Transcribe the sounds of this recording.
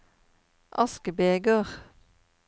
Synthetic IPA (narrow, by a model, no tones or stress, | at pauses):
ʔɑskəbeːɡøʁ